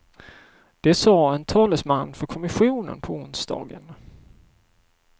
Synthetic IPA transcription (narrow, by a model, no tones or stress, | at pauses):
d̪̥ɛsɑːɛnt̪ʰɑːləsmanːfœɾkʰɔmɪɧuːnə̰npʰɔʊnsd̪ɑ̰ːɡə̰n